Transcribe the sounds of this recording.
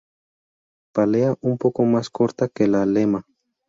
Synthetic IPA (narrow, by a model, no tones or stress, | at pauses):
paleaʔumpokomaskoɾt̪akelalema